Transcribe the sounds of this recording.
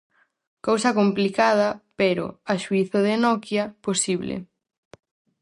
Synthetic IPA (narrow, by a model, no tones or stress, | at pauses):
kowsɐkomplikað̞ɐpeɾʊ̰aʃuiθoðenɔkjɐposiβlɪ̰